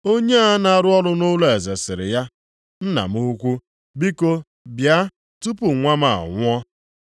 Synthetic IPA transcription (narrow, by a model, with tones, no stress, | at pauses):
o˦ɲe˦a˦na˦ɾʊ˦ɔ˦ɾʊ˦nʊ˦lo˦e˨ze˨sɪ˨ɾɪ̰˨ja˦ | n̩˦na̰˨mu˦kʷu˦ | bi˦ko˦ | bja˦ | tu˦pu˨ŋʷa˦ma˨a̰˨ŋʷʊ˦ɔ˦